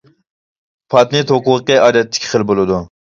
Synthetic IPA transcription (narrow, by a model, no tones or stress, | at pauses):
pʰɑt̪nɨt̪oquʁqːəʔɑːd̪ɛt̪ʰːɪ̥kʲχəlbolˠɨd̪u